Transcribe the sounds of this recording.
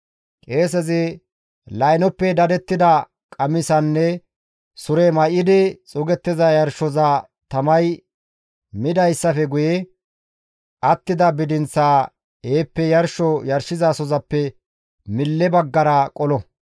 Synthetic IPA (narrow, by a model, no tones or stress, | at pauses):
kʼe̞ːsɛzɪ | lɐjnɔpːɛd̪ɐd̪ɛt̪ːɪd̪ɐ | kʼɐmɪsɐnːɛ | sʊɾɛmɐʔɪd̪ɪt͡sʼʊɡɛt̪ːɪzɐjɐɾʃɔzɐ | t̪ɐmɐj | mɪd̪ɐjsːɐfɛɡʊjɛ | ʔɐt̪ːɪd̪ɐbɪd̪ɪnt͡sːaː | eːpːɛjɐɾʃɔjɐɾʃɪzasɔzɐpːɛ | mɪlːɛbɐɡːɐɾɐkʼɔlɔ